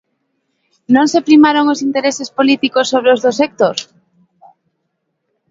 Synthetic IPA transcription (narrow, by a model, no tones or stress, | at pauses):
nõŋsepɾimaɾoŋosint̪eɾesespolit̪ikosːoβɾeozðosek̚t̪oɾ